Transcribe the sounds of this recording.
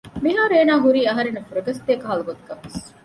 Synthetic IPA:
miɦaːɾeːnaːɦuɾiːɐɦɐɾenːɐfuɾɐɡɐst̪eːkɐɦɐluɡot̪uɡɐʋes

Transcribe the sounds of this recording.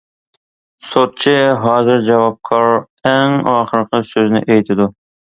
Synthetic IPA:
sot̪̚t͡ʃʰɪɦɑːzɪɾd͡ʒɑvɑp̚kʰɑɾ | æŋɑχəɾqʰɨsɵznɪ̰ʔejt̪ʰɪd̪ʊ

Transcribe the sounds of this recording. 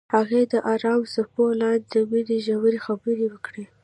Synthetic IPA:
haɣed̪əʔɑɾɑmsapolɑnd̪əwiɾiʒawəɾixabəɾiwəkɽi

